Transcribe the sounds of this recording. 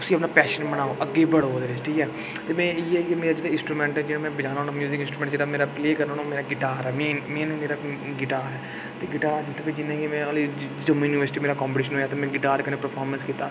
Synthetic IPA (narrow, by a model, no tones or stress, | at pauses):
ʊsiːəpnaːpɛːʃənbəɽ̃aːoːʔəɡːeːbəɽoːd̪eːɾɪsʈiːɛː | t̪eːmɛ̃ːɪːɛːkemeːɾaːd͡ʒeːɽaɪ̃nsʈɾuːmɛ̃ːɳʈɛd͡ʒeːɽãːmɛ̃ːbəd͡ʒãːnːɦoːnãːmjuːzɪkɪ̃nsʈɾumɛ̃ːɳʈd͡ʒeːɽaːmeːɾaːpleːkəɾnoːnameːɾaːɡɪʈaːɾɛːmẽːnmẽːnmeːɾaː | ɡɪʈaːɾɛː | t̪eːɡɪʈaːɾd͡ʒɪt̪ʰːẽked͡ʒɪnːãːkemɛ̃ːəlid͡ʒəmːĩjʊniʋəɾsɪʈiːmeːɾaːkɔ̃ːmpəʈiːʃənɦoːjaːt̪eːmɛ̃ːɡɪʈaːɾkənẽːpəɾpʰaːɾmənskiːt̪a̰ː